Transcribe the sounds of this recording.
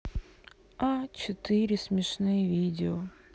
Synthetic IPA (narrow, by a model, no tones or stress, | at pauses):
at͡ɕɪt̪ɨɾʲɪsmʲɪʂnɨjəvʲidʲɪo